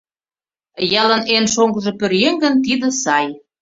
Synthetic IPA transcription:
jɑlənenʃoŋɡə̆ʒĕpø̆ɾjeŋɡə̆nt̪id̪ə̆sɑj

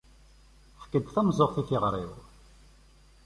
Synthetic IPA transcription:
fə̥kːəd̪θæmzˤoʁθiθɪʁɾˤḭð

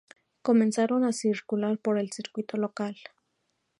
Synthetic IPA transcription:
kome̞nsaɾonasiɾkulaɾpoɾelsiɾkwit̪olokal

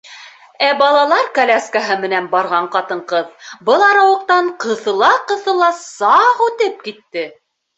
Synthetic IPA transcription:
æbɑlˠɑlˠɑɾkɐlʲæskaɦɤmɘ̆nænbɑɾʁɑɴqɑt̪ɤ̆ɴqɤðbɤlˠɑɾɑwɤ̆qt̪ɑɴqɤ̆θɤ̆lˠɑqɤ̆θɤ̆lˠɑsɑʁʉt̪ɘp̚kit̪ːɘ

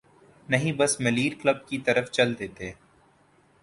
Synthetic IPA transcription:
nɐɦĩbɐsmɐliːɾkləb̚kit̪ɐɾəft͡ʃɐld̪eːt̪eː

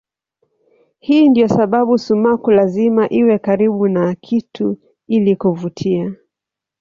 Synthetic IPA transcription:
hiːndiɔsaɓaɓusumakulazimaʔiwɛkaɾiɓunakʰitʰu | ilikuvutʰia

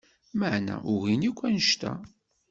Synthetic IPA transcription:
məʕnæ̰ʔʊɣinikʷːænəʃt̪æ̰

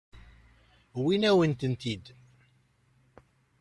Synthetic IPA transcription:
winæwənt̪ənt̪id̪

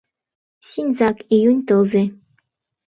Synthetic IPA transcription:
sʲinʲzɑkijunʲt̪ɤlˠze

